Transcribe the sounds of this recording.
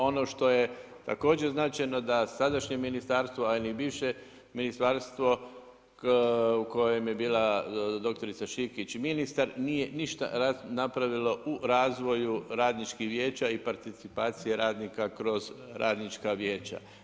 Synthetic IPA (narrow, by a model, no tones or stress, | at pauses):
o̞no̞ʃt̪o̞je̞ | t̪a̰ko̞ːd͡ʑeznaːt͡ʃajno̞d̪asad̪aʃɲeminist̪aɾst̪ʋoalinibiːʋʃe | minist̪aːɾst̪ʋo̞ | uko̞je̞mje̞biːlad̪o̞k̚t̪o̞ɾit̪saʃikit͡ʃminist̪aɾnije̞niʃt̪a̰ɾanapɾaʋilo̞ʔuɾaːzʋo̞juɾaːd̪nit͡ʃkihʋje̞ːt͡ɕaipaɾt̪it̪sipaːt̪sije̞ɾaːd̪nikakɾo̞zɾʔaːd̪nit͡ʃkaʋje̞ːt͡ʃa̰